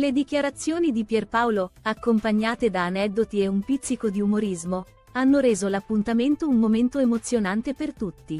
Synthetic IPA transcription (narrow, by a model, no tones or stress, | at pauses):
led̪ik̟jaɾat̪sːjoːnid̪ipjɛrpawloakːompaɲːaːt̪ed̪aːnɛd̪ːot̪ieumpit̪sːikod̪iumoɾizmo | anːoɾeːzolapːunt̪ament̪ounmoment̪oemot̪sːjonant̪epert̪ut̪ːi